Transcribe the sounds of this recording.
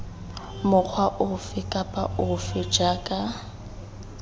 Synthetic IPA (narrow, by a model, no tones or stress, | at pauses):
mʊk͡xʰwaʔʊfɪkʼapʼaʔʊfɪd͡ʒaːkʼa